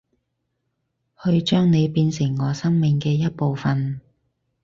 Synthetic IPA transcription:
hɵ˧ɥt͡ʃœː˥ŋne˨˧jpiː˧nsɪ˨˩ŋːɔː˨˧sɐ˥ŋmɪ˨ŋkɛː˧jɐ˥t̚po˨˧wfɐ˨n

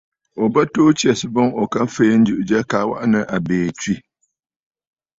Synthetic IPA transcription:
o˨ba˦toː˦t͡ʃi˦ɛ˨sɨ˨bo˦ŋo˨ka˦fe˦n̩˦d͡ʒɨ˨ʔɨ˨d͡ʒɛ˦ka˨wa̰˦ʔa˦nɨ˦ʔa˨beː˨t͡ʃi˦˨

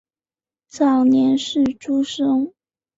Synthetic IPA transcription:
t͡sɑ˨˩ʊnjɛ˧˥nʂɻ̩˥˩ʈ͡ʂu˥ʂɤ˥ŋ

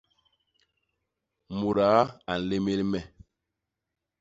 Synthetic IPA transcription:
mu˨ɾa˨˦a˨n̩˨le˦me˦lmɛ˨

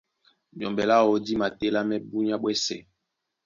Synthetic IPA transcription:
mjɔ˨mbɛ˨la˦wo˨di˦ma˨te˦la˦mɛ˦bu˦ɲ˦a˦ɓwɛ˦sɛ˨

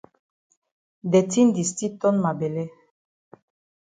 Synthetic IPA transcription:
d̪e˨ti˦nd̪i˨st̪i˦t̪ɔ˦nma˨be˨lɛ˦

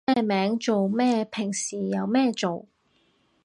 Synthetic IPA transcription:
ɛː˥˧mɛː˨˥ŋt͡so˨wmɛː˥˧pʰɪ˨˩ŋsiː˨˩jɐ˨˧wmɛː˥˧t͡so˨w

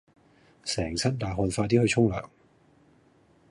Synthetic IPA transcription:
sɛː˨˩ŋt͡sʰɐ˥t̚t̪aː˨˩ɦɔː˧nfaː˧t̪̬iː˥hɵ˧ɥt͡ʃʰʊ˥ŋlœ̰ː˨˩ŋ

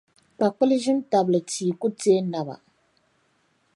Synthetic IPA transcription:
pa˨k͡pʊ˦lɨ˦ʒɪ˦n˦ta˨blɨ˨ti˨ku˦teː˦na˦ba̰˨

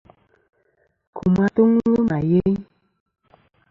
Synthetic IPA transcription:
kʰu˨ma˦tu˦ŋlə˦ma˨je˦j

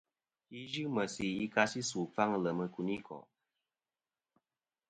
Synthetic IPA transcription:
i˦ʒi˦mə˨si˨i˦ka˧si˦su˨fa˦ŋ˨lə˨mə˧ku˨ni˦kʰɔ̰˨

